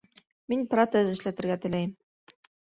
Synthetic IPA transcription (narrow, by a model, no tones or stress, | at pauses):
minprot̪ezɘ̆ʃlæt̪ɘ̆ɾɡæt̪ɘ̆læjm